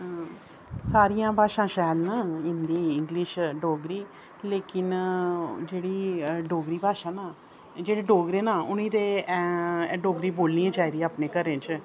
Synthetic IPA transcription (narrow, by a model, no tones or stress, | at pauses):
saːɾijãːbaːʃãːʃɛːlnaːɪ̃nd̪iːɪ̃ŋɡlɪʃɖoːɡɾiː | leːkɪn | d͡ʒeːɽiːɖoːɡɾiːbʱaːʃãːnaː | d͡ʒeːɽeːɖoːɡɾeːnaːʊnĩːd̪eː | ɖoːɡɾiːboːlniːãːt͡ʃaːiːd̪iaːpneːkəɾẽːt͡ʃ